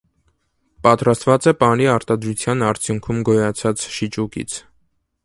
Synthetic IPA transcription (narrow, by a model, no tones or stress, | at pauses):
pɑt̪ɾɑst̪vɑt͡sɛpɑɾiɑɾt̪ɑd̪ɾut͡sʰjɑnɑɾt͡sʰjuŋkʰumɡɔjɑt͡sʰɑt͡sʃit͡ʃukḭt͡sʰ